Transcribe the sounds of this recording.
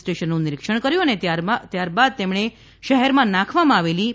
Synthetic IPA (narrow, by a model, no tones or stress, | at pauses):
sʈeʃənːũnɪɾikʂəɳkəɾjũəneat̪jaɾbad̪̚t̪emɳ̃e | ʃəɦɛɾmãnakʰʋamãaʋeli